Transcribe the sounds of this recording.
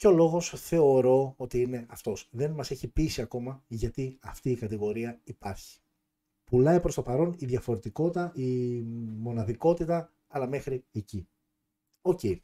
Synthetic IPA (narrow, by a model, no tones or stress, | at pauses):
ceo̞lo̞ɣo̞sθe̞o̞ɾo̞ot̪iine̞ɐft̪o̞sðe̞nmɐse̞çipisiɐko̞mɐʝɐt̪iɐft̪iːkɐt̪iɣo̞ɾiɐipɐɾçi̥ | pulɐipɾo̞st̪opɐɾo̞niðʝɐfo̞ɾe̞t̪iko̞t̪ɐʔi | mo̞nɐðiko̞t̪it̪ɐ | ɐlɐme̞xɾie̞ci | o̞ce̞i